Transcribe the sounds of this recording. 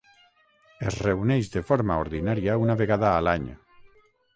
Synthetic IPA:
ezreunɛʒðefoɾmaoɾðinaɾiaunaβeɣaðaːlaɲ

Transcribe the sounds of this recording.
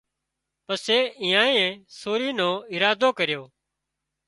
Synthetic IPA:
pəseːĩːãːẽẽːsoːɾiːnõːɪɾaːd̪oːkəɾɪjoː

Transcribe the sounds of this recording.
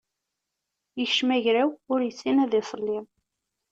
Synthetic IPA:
jəçʃmæʝɾæwʊɾjəsːinæðɪsˤəlːim

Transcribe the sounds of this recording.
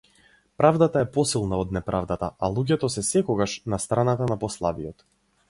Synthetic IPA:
pɾavd̪at̪aɛpɔsilˠnaɔd̪nɛpɾʔavd̪at̪aalˠuɟɛt̪ɔsɛsɛkɔɡaʃnast̪ɾanat̪anapɔslˠavijɔt̪

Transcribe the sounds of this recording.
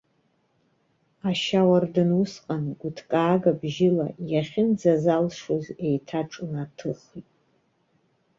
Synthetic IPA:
aʃawardɨnʊsqʼanɡʷʊtʰkʼaːɡabʒɪla̰jaχʲɪnd͡zazalʂoze̞jtʰaʈ͡ʂʼunatʰɨχʷitʼ

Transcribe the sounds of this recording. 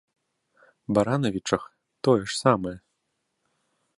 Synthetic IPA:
baɾanɐvʲit͡ʂɐx | t̪ɔjɛʂsamɐjɛ

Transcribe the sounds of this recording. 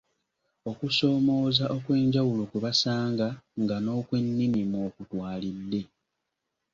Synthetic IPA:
o̞kuso̞ːmo̞ːzaʔo̞kwe̞ːɲɟawulo̞kuβasaːŋɡaŋɡano̞ːkwe̞nːimimo̞ːkutwaːlidːe̞

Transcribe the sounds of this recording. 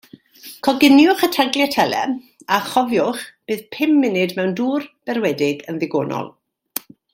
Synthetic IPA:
kʰɔɡɪnjʊχətʰaɡljɛtʰɛlˠɛ̰ | aχɔvjʊχb̥ɨːðpʰɪmːɪnɨdmɛwnduːrb̥ɛrwɛdɪɡənðɪɡo̰ːnɔ̰lˠ

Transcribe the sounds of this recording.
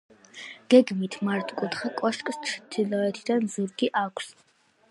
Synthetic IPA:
ɡ̥ɛɡmit̪ʰmaɾt̪ʰʼkʼut̪χakʼɔʃkʼst͡ʃʰt̪ʰilɔɛt̪ʰid̪anzuɾɡiʔakʷʰs

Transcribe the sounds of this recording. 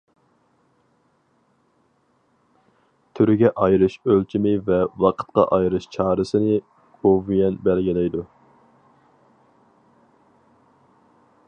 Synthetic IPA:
t̪ʰyɾɡʲɛʔɑjɾɨʃølt͡ʃʰimɪvɛwɑqʰə̥t̪qɑ̰ʔɑjɾɨʃt͡ʃʰɑːɾɨsɨnɨ | ovijɛnbɛlɡʲilɛjd̪u

